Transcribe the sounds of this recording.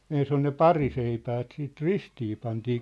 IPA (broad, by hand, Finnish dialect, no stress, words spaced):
ens on ne pɑriseipæːt siːt ristiː pɑntiː